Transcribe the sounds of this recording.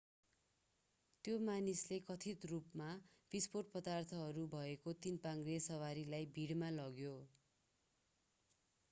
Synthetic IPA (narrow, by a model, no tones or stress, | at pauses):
t̪jomanislekʌt̪ʰit̪rupma | b̥isporʈ̚pʌd̪art̪ʰʌɦʌɾubʱʌekot̪inpaŋɡresʌwaɾilajbʱiɽmalʌɡjo